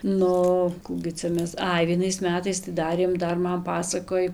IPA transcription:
ˈnʊ ˈkuː ɡʲɪ ˈt͡sʲɛ ˈmʲɛs ˈɐɪ ʋʲiɛˈnɐɪs ˈmʲæːtɐɪs tɐɪ ˈdɑːrʲeːm ˈdɐr ˈmɐn ˈpɑːsɐkoːj

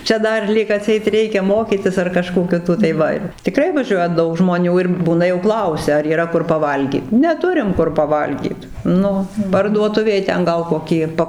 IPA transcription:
ˈt͡ʃʲɛ ˈdɐr ˈlʲiːk ɐˈtʲsʲɛɪt ˈrʲɛɪkʲɛ ˈmoːkʲiːtʲɪs ɐr kɐˈʃkoː ˈkʲɪtoː tɐɪ ˈʋɐ ɪr tʲɪˈkrɐɪ ʋɐˈʒʲuɔjɛ ˈdɐʊk ʒmoːˈnʲuː ɪr ˈbuːnɐ jɛʊ ˈklˠɐʊsʲɛ ɐr iːˈrɐ ˈkʊr pɐˈʋɐlʲɡʲiːt nʲɛˈtʊrʲɪm ˈkʊr pɐˈʋɐlʲɡʲiːt ˈnʊ pɐrduɔˈtʊʋʲeːj ˈtʲɛn ˈɡɐlˠ koːˈkʲiː ˈpɐ

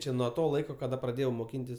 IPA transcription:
ˈt͡ʃʲɛ nuɔ ˈtoː ˈlˠɐɪkoː kɐˈdɐ prɐˈdʲeːjɛʊ moːˈkʲiːnʲtʲɪs

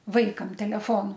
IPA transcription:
ˈʋɐɪkɐm tʲɛlʲɛˈfoːnʊ

